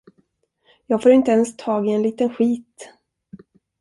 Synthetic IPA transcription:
jɑːɡfoːɾɪnt̪əɛnst̪ʰɑːɡɪɛnliːt̪ənɧiːt̪

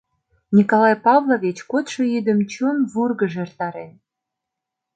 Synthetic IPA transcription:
nʲikolɑjpɑβlˠoβʲit͡ɕkot̪ʃojyd̪ə̆mt͡ɕonβurɣə̆ʒeert̪ɑɾen

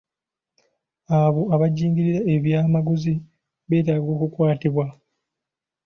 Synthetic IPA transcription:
aβo̞aβaɟiːŋɡiɾiɾae̞βjaːmaɡuzi | βe̞ːtaːɡo̞ːkukwaːtiβwa

